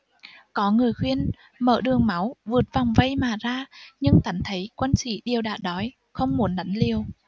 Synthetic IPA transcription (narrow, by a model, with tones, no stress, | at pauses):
kɔ˨˦ŋɨ˨˩əjxwi˧ən | mə̰ː˧˩ɗɨ˨˩əŋma˨˦wvɨ˨˩ət̚va˨˩wŋ͡mvə˧jmaː˨˩zaː˧ɲɨ˧ŋt̪a˨˦ŋt̪ʰə˨˦jkwə˧nsḭ˧˨ɗi˨˩əwɗa̰ː˧˨˩ɗɔ˨˦j | xə˧wŋ͡mmu˨˦nɗa˨˦jŋ̟li˨˩əw